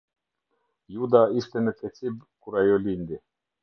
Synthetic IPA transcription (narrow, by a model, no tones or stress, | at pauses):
jud̪aest̪enet̪et̪sibkuɾajolind̪e